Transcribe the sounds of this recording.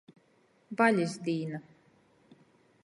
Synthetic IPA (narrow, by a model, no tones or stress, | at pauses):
vaʎʲizd̪iːna